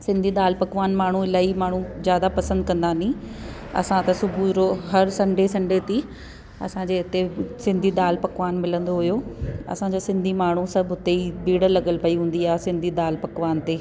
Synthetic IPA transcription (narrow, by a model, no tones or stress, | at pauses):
sɪ̃nd̪ʱid̪aːlpɐkʋaːnmaːɳ̤uɪlaːimaːɳ̤uzjaːd̪apɐsə̃nd̪̚kɐ̃nd̪aːnĩ | ɐ̰sãt̪ɐsʊbʱuɾoɦɐɾsɐ̃ɳɖʱesɐ̃ɳɖʱet̪i | ɐ̰sãd͡ʑeːɪt̪esɪ̃nd̪ʱid̪aːlpɐkʋaːnmɪlə̃nd̪oɦʊjoɐ̰sãd͡ʑeːsɪ̃nd̪ʱimaːɳ̤ũsɐbʱʊt̪eibiːɽəlɐɠəlpɐiɦũːn̆d̪iaːɦesɪ̃nd̪ʱid̪aːlpɐkʋaːnt̪eː